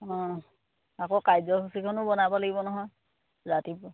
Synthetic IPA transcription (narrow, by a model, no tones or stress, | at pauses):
ɔ̃ | akokajzɔkʰusikʰɔnʊbɔnabalaɡibɔnɔɦɔj | zatip